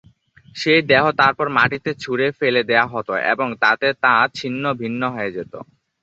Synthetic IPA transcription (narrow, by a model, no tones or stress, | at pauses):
ʃejd̪ɛɦot̪aɾpɔɾmaʈit̪et͡ɕʰuɾefeled̪eaɦɔt̪oʔḛboŋt̪at̪et̪ãt͡ɕʰinːobʱinːoɦɔed͡ʑet̪o̰